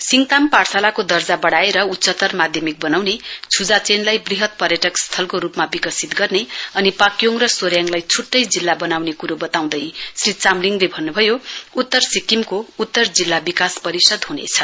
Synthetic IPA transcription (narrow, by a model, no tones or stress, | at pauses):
siŋt̪amparsalakod̪ʌrd͡zabʌɽaeɾʌut̪ːsʌt̪ʌrmad̪ʱjʌmik̚bʌnawnet͡sʰud͡zat͡senlajbriɦʌt̪̚pʌrjʌʈʌkst̪ʰʌlkoɾupmabikʌsit̪ɡʌrneʌnipakjoŋrʌsoɾjaŋlajt͡sʰuʈːʌjd͡zilːabʌnawnekuɾobʌt̪aw̃d̪ʌjsrit͡samliŋlebʱʌnːubʱʌjout̪ːʌrsikimkout̪ːʌrd͡zilːabikaspʌɾisʌd̪ɦunḛt͡sʰʌ